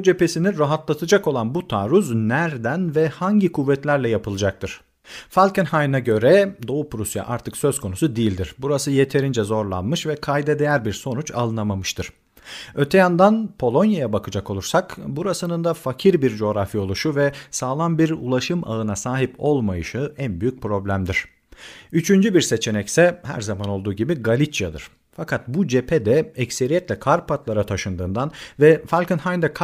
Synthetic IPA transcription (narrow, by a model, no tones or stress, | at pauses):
bud͡ʒe̞pe̞siniɾaɦat̪lˠat̪ʰɯd͡ʒako̞lˠanbut̪ʰaːɾuznæɾd̪ænvɛhaɲɟikʰuvːɛt̪lʲæɾlʲɛjapʰɯlˠɯd͡ʒak̚t̪ʰɯɾ̥ | falʲcɛnhajɯnaɟø̞ɾɛd̪o̞upɾusja̰ʔaɾt̪ʰɯksøzkʰo̞nusud̪ijːilʲd̪iɾ̥buɾasɯje̞t̪ʰe̞ɾind͡ʒɛzo̞ɾlˠa̰nmɯʃvɛkʰajd̪ɛd̪ejæɾbiɾso̞nut͡ʃʰa̰lˠɯnamamɯʃt̪ɯɾ̥ | ø̞t̪ʰɛjand̪anpʰo̞lˠo̞njajabakʰɯd͡ʒako̞lˠuɾsakbuɾasɯnɯnd̪afacʰiɾbiɾd͡ʒo̞ːɾafio̞lˠuʃuvɛsaːlˠanbiɾṵlˠaʃɯmʔa̰ɯnasaːɦipo̞lˠmajɯʃɯænbyjyc̚pɾo̞blʲæmd̪iɾ̥ | yt͡ʃʰynd͡ʒybiɾse̞t͡ʃʰe̞nɛcsɛhæ̰ɾzamano̞lˠd̪uːɟibiɡalʲit͡ʃjad̪ɯ̰ɾ̥ | fakʰat̪̚bud͡ʒepʰed̪ɛɛcse̞ɾijɛt̪lʲɛkʰaɾpʰat̪lˠaɾat̪ʰaʃɯnd̪ɯːnd̪anvɛfalʲkɯnhand̪ɛk